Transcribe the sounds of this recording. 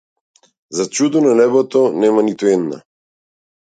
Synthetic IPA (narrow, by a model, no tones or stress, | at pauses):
zat͡ʃud̪ɔnanɛbɔt̪ɔnɛmanit̪uɛd̪na̰